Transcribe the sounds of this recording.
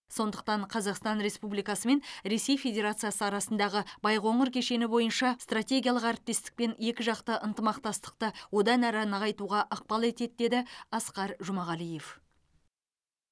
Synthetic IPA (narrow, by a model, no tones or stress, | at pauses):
so̞nd̪əq̚t̪ɑɴqʰɑzɑqst̪ɑnɾe̞spublijkɑsəme̞nɾe̞se̞jfe̞dʲe̞ɾat̪sɨjasəɑɾɑsənd̪ɑʁəbɑjqo̞ɴəɾkʲʰe̞ʃe̞nɪbo̞jənʃɑst̪rat̪ʲe̞ɡʲijalˠəqɑɾpt̪ːe̞st̪ɪ̥k̚pe̞ne̞kʲɪʒɑqt̪əʔənt̪əmɑqt̪ɑst̪ə̥q̚t̪əwo̞d̪ɑnæɾɑnɑʁɑjt̪uʁɑʔɑq̚pɑlˠe̞t̪e̞d̪̚d̪e̞d̪ɪɑsqɑɾʒʊmɑʁɑlˠije̞f